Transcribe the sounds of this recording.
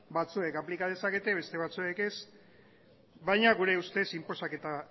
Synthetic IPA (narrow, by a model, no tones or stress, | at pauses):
bat͡sue̞kaplikað̞e̞sake̞t̪e̞βe̞st̪e̞β̞at͡sue̞ke̞s | βajɲaɣuɾe̞ust̪e̞simpo̞sake̞t̪a